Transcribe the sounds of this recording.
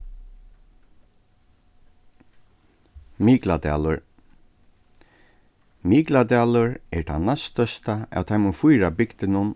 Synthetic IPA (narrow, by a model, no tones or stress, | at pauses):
miːklat̪æ̰ːlʊɹ | miːklad̪æːlʊɹɛɹt̪ʰanast̪œst̪aæ̰ːwt̪ʰaɪmʊfʊjɾabɪkt̪ɪnʊn